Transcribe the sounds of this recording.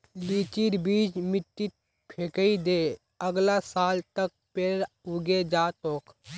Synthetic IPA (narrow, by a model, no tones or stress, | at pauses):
liːt͡ʃiɾbiːd͡ʒmɪʈːit̪̚ | pʰeːkəid̪eː | əɡlasaːlt̪ək̚peɾ | uɡed͡ʒaːt̪oːk